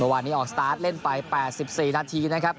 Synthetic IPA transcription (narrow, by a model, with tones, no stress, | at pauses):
mɯ˥˩əwaː˧nːiː˦˥ʔɔː˨˩ksa˧t̪aː˦˥t̪̚le˥˩npa˧jpɛː˨˩t̪̚si˨˩p̚siː˨˩naː˧t̪ʰiː˧na˦˥kʰa˦˥p̚